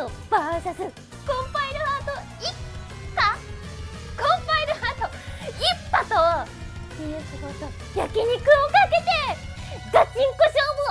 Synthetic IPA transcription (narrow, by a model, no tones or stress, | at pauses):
t̪obaɕasɨ | kõmpainɯhat̪o | ip | pːa | kõmpainɯhat̪o | ipːat̪o | ijɯsiɡot̪o | jakeɲ̟ikɯ̟okake̞t̪e̞ɡat͡ɕĩŋkoɕoːmo